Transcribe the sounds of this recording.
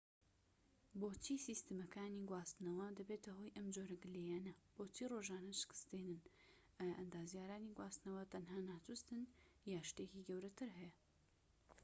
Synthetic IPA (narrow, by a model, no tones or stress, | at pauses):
boːt͡ʃʰiːsiːst̪ɨmɐkʰaːniɡwaːst̪ɨnɐwɐd̪ɐbet̪ɐɦojʔɐmd͡ʒoɾɐɡɨlejaːnɐb̥oːt͡ʃʰiroʒaːnɐʃɪ̥kɨ̥st̪enɨn | ʔajaʔɐnd̪aːzijaːɾaːniɡwaːst̪nɐwɐt̪ʰɐnɦaːnaːt̪ʰust̪ɨn | jaːʃt̪eciɡɐwɾɐt̪ʰɨɾɦɛjɐ